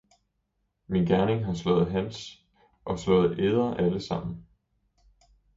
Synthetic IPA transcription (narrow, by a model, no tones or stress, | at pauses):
minɡ̥æɐne̝ŋɦɑ̈slɔ̰̽ːð̞̩ˠɦæns | ʔɒ̽slɔ̽ːð̩ˠʔeðˠɐʔæləsɑ̈m̰n̩